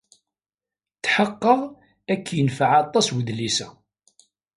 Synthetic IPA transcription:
t̪ːħəqːəʁ | ækːjənfəʕɑt̪ˤːɑswəðlisæ

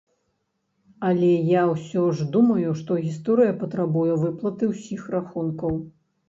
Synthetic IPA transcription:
ɐlʲɛjawsʲɔʐd̪umɐjuʂt̪ɔɣʲist̪ɔɾɨjɐpɐt̪ɾabujɛvɨplˠɐt̪ɨwsʲixraxunkɐw

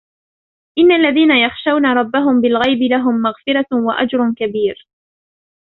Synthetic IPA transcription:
ʔɪnːalːaðiːnajɑxʃawnaɾˤɑbːaɦʊmbɪlɣajbɪlaɦʊmːaɣfɪɾawaʔa̰d͡ʒɾˤʊkabiːɾ

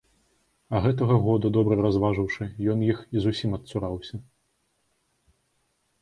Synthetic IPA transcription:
ɐɣɛt̪ɐɣɐɣɔd̪ud̪ɔbɾɨɾazvaʐɨwʂɨjɔnjixizusʲimɐt̪suɾawsʲɐ

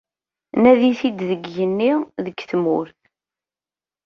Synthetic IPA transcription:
næðiθid̪ðəɡjənːiðəɡθmʊ̰ɾθ

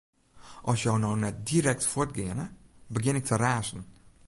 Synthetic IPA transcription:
ʔɔsjɔwnɔwnɛt̚diːɾɛk̚tfʊtɡeːnəbəɡɪnɪk̚tʰəɾaːʃn̩

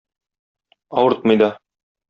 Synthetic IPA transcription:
ɒwɤɾt̪̚mɤ̆jd̪ɑ

